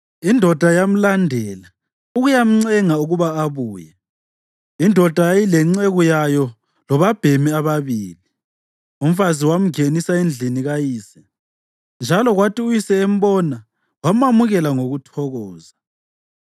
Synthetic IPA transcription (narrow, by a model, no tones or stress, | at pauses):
indʱɔd̥ʱajam̩landʱɛːla | uɣujam̩ŋ͡ǀɛŋauɣuβaːβuːjɛ | indʱɔd̥ʱajajilɛŋ͡ǀɛɣujajɔ | lɔβab̥ʱemiaβaβiːli | um̩faziwam̩ɡenisaend͡ɮʱiniɣajiːsɛ | nd͡ʒʱalɔɣwatʰʼiujisɛem̩bɔna | wamamuɣɛlaŋoɣutʰɔɣɔːza